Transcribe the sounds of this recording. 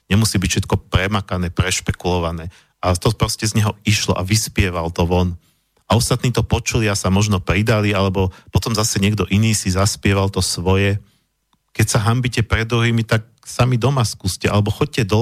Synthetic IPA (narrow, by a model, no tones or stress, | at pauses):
ɲɛmusiːbicfʃɛt̪kɔpɾɛmakanɛːpɾɛʃpɛkulɔʋanɛː | at̪ɔpɾɔscɛzɲɛɦɔiʃlɔ̰ʔa̰ʋispɪɛʋalt̪ɔʋɔn | aɔst̪at̪niːt̪ɔpɔt͡ʃuliasamɔʒnɔpɾid̪alialɛbɔpɔt̪ɔmzasɛɲɪɛɡd̪ɔʔiniːsizaspɪɛʋalt̪ɔsʋɔjɛ | kɛcsaɦambicɛpɾɛd̪ːɾuɦiːmit̪ak̚ | samid̪ɔmaskuːscɛa̰lɛbɔxɔɟ̚cɛd̪ɔ